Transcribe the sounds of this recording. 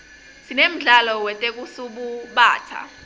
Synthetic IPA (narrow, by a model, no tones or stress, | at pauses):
sinem̩ɮalɔwɛtʼek̬ʼusuɓuɓaːtʰa̰